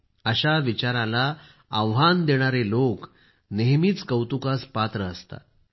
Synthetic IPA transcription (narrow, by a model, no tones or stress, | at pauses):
əɕaʋit͡ɕaɾãlaː | ʋɦand̪eɽ̃aɾelok | neɦmiːt͡skəwt̪ukaspat̪ɾəəst̪a̰